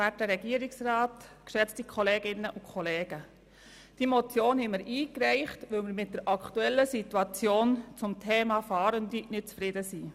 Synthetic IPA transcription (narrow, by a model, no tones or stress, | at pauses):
æt̚əɾɛɡiːəɾɪksrɑːtkʃɛt͡stikʰχɔleːɡɪnːəʔʊkʰχɔleːɡ̥ə | d̥iːmot͡sjoːnhɛməɾʔiːkɾɛɪχtʋɪlmɪɾmɪt̚d̥əɾʔɑktuɛlːəsituɑt͡sjoːnt͡sʊmtʰɛːmɑfɑːɾəndinɪt̚t͡sfɾɪdəsiː